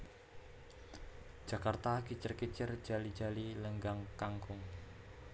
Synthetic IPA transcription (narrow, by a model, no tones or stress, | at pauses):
d̥ʒ̥a̤kart̪akit͡ʃərkit͡ʃər̥d͡ʒ̥a̤lid͡ʒ̥a̤liləŋɡaŋkaŋkʊŋ